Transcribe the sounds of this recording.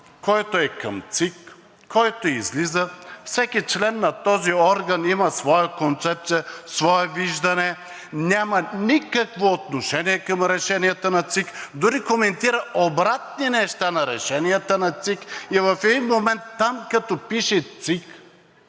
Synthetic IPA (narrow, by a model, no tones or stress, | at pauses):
kɔjt̪oɛkɐmt̪sikː | ɔjt̪oizlizəfsɛkʲit͡ʃlɛnːɐt̪ɔziɔɾɡɐnimɐsvɔjəkont̪sɛp̚t̪sijəsvɔɛviʒd̪ɐnɛ | nʲamɐnʲikɐkvoːt̪noʃɛniɛkəmɾɛʃɛniət̪ənɐt̪sikd̪ʊɾikomɛnt̪iɾəʔobɾat̪̚ninɛʃt̪anɐɾɛʃɛnijət̪ənɐt̪sikivɐfɛd̪inmomɛnt̪ːamkɐt̪ɔpiʃɛt̪sik